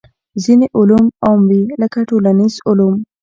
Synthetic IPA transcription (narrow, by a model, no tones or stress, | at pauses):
zineʔʊlumɑmwiləkaʈolanizʊlum